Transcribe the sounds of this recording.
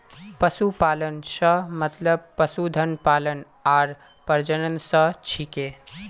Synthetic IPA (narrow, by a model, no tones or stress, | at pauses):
pəsupaːlənsəmət̪ləb̚pəsud̪ʱənpalən | aːɾ | pəɾd͡ʒənənsət͡ʃʰike